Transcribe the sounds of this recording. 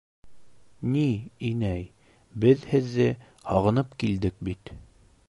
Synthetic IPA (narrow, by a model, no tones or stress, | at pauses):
niinæj | bɘðhɘ̆ðːɘ | hɒʁɤ̆nɤpkild̪ɘk̚bit̪